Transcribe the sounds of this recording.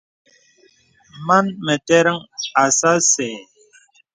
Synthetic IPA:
ma˦nmɛ˨tɛ˦ɾə˦ŋa˨sa˦sɛ˨

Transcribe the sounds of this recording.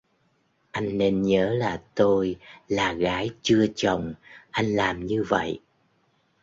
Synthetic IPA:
ʔa˧jŋ̟ne˧nɲəː˨˦laː˨˩t̪o˧jlaː˨˩ɣaː˨˦jt͡ɕɨ˧ət͡ɕə˨˩wŋ͡mʔa˧jŋ̟laː˨˩mɲɨ˧və̰˧˨j

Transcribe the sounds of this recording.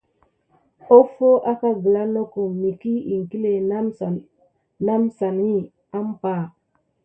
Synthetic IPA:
o˦fo˦ʔa˦ka˦ɡə˨la˦no˦ko˨mni˨ki˦i˨ŋ˨ki˦le˨˦˨ | na˦msa˨ni˦ | a˦m˦pa˦˨

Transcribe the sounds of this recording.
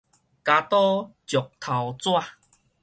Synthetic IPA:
ka˧t̪ɔ˦t͡ɕjɔ˨˩k̚t̪ʰa˨wt͡swa˥˧

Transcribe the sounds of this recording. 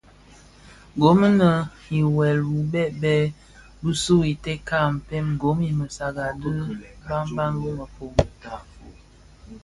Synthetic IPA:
ɡo˨˦m˦nə˨ | i˨wɛ˨lwu˨bɛ˦ʔbɛ˦ | bu˦su˦i˨tɛ˦ka˦˨m̩˨pɛ˦mɡo˨˦mi˨mə˨sa˨ɡa˨də˦ba˦mba˦ŋɡə˦mə˨fo˨mu˨ta˨

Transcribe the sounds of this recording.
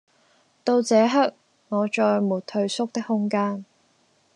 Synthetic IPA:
t̪o˧wt͡sɛː˨˧˥ɦɐ˥k̚ | ŋɔː˨˧t͡ʃɔː˧jmuː˨˩t̚t̪ʰɵ˧ɥsʊ˥k̚t̪ɪ˥k̚hʊ˥ŋkaː˥n

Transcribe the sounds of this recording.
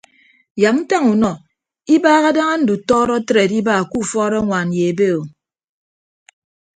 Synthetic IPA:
ja˨mn̩˦ta˦ŋu˨nɔ˨ | i˦baː˦ɣa˦da˦ŋa˦n̩˦du˨tɔː˦ɾɔ˦tɾe˨di˦baː˦˨ku˦˨fɔː˦ɾɔ˦ŋʷa˨n˨je˨e˨be˦o˨

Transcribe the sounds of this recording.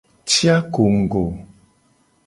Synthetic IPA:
tja˦ko˨ŋ̩˨ɡo˨

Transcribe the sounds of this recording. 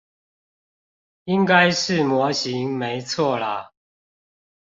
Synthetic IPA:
i˦ŋka˦ɪʂɻ̩˥˨mwɔ˨˦ɕi˨˦ŋme˨˦ɪt͡sʰwɔ˥˨la˨˦

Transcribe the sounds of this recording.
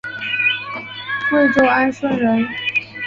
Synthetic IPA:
t͡s̩˥˧ʈ͡ʂo˥˩ʊa˥nʂwə˥nɻə˧˥n

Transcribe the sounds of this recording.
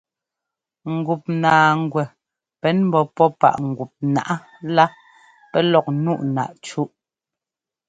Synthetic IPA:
ŋ̩˨ɡu˨p̚naː˨ŋ̩˨ɡwɛ˨ | pɛ˨˦nm̩˦bɔ˨pɔ˦pa̰˨ʔŋ̩˨ɡu˨p̚na̰˦˨ʔa˦ | la˦ | pɛ˦lɔ˨k̚nu˦˨ʔna̰˨ʔt͡ʃu˦ʔ

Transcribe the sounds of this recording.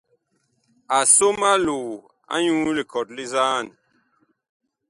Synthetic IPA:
a˨so˦ma˦lu˨ | a̰˦ɲũ˦li˨kɔ˨tli˦za˦˨n˨

